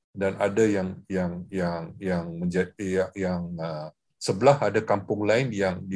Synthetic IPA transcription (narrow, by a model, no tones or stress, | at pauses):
danadajaŋjaŋjaŋjaŋməɲd͡ʒajaŋə | səbəlahadakampʊŋlaɪnjaŋdi